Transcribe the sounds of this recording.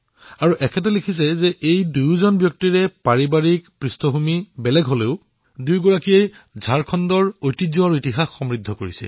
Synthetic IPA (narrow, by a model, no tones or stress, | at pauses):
aɹuʔɛkʰɛtɔlikʰisɛzɛʔejdujzɔnbjɔk̚tiɹɛpaɹibaɹikpɹistʰɔɦumibɛlɛɡɦoleʊ | dujɡɔɹakijejzʱaɹkʰɔndɔɹojtizuaɹitiɦaxːɔmɹidʱːɔkoɹisɛ̰